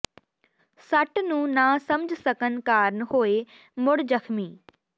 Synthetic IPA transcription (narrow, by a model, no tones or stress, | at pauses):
sɐʈnũːnaːsɐmd͡ʒʱsəkənkaːɾnɦoːe | mʊɽd͡ʒəkʰmiː